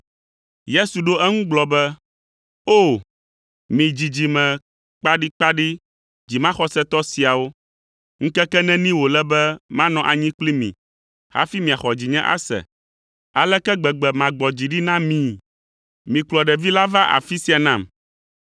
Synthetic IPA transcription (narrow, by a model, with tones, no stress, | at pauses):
je˦su˨ɖo˦ʔɛ˦ŋũ˦ɡ͡blɔ˨bɛ˦ | o˦˨ | mĩ˨d͡ʑi˨d͡ʑi˨mɛ̃˨ | k͡pa˦ɖi˦k͡pa˦ɖi˦ | d͡ʑi˨mã˦xɔ˦sɛ˦t̪ɔ˦si˨a˨wo˦ | ŋ̩̃˦kɛ˦kɛ˦nɛ̃˦nĩ˦wo˨lɛ˦bɛ˦mã˦nɔ̃˨ʔa˨ɲĩ˦k͡pli˦mḭ̃˨ | ha̰˦fi˦mĩ˨a˨xɔ˨d͡ʑi˨ɲɛ̃˦ʔa̰˦sɛ̰˨ | a˨lɛ˦kɛ˦ɡ͡bɛ˨ɡ͡bɛ˨mã˨ɡ͡bɔ˨d͡ʑi˨ɖi˦nã˦mĩ˨ | mĩ˨k͡plɔ˨ɖɛ˨vi˦la˦va˦ʔa̰˨fi˦si˨a˨nã˦˨m